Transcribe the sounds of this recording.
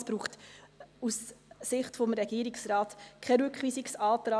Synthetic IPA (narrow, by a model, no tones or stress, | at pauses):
sb̥ɾuːχtussɪχtfomɾɛɡ̥iːɾɪksɾɑːtkʰɛɾʏkχʋiːsiksɑːtɾɑ